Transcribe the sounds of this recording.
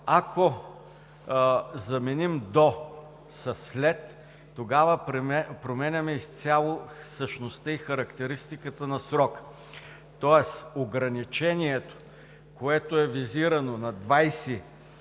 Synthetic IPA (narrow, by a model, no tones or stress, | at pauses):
ako | zɐmɛnimd̪o | sɐslɛt̪ː | oɡavəpɾɛpɾomɛnʲɐmɛist̪sʲalˠo | səʃnost̪əixɐɾɐkt̪ɛɾist̪ikət̪ənɐsɾɔk | t̪ɔɛsoɡɾɐnit͡ʃɛniɛt̪o̥ | koɛt̪oɛviziɾɐnonɐd̪vajsi